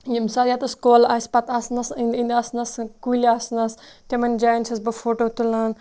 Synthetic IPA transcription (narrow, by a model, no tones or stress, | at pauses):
jimsɐɾjat̪ɐskoːlasʲpɐt̪ɐsnɐsind̪ind̪asnɐskulʲiasnɐst̪ʲemɐnʲd͡ʒaːjnt͡ʃʰɐsbɨfoːʈoːt̪ulaːn